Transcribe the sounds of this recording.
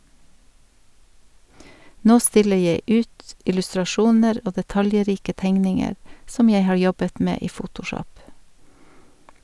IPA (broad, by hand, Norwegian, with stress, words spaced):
ˈnoː ˈstɪlə ˈjeɪ ˈʉːt ɪlʉstɾɑˈʃuːnəɾ ˈoː dɛˈtɑljˌɾiːkə ˈtɛŋnɪŋəɾ ˈsɔm ˈjeɪ ˈhɑːɹ ˈjɔbət ˈmeː ˈiː ˈfʊtʊˌʃɔp